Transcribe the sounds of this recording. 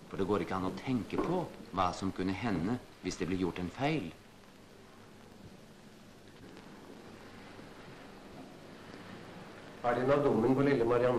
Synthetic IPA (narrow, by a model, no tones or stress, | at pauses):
fɔɖeːɡoːɾɪkːəɑnɔt̪ʰɛŋkəpʰɔʋɑːsɔmkʉnːəɦɛnːə | ʋɪsd̪eːblɛːɾjʊʈːɛnfæɪl | æːɖɛnɑd̪ʊmənpʰɔlɪlːəmɑɾɪɑn